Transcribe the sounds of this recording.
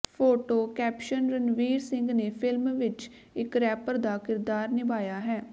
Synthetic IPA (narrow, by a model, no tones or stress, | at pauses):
pʰoːʈoːkɛːpʃənɾənʋiːɾsɪ̃ŋɡneːpʰɪlmʋɪt͡ʃ | ɪkɾɛːpəɾd̪aːkɪɾd̪aːɾnɪbaːjaːɦɛː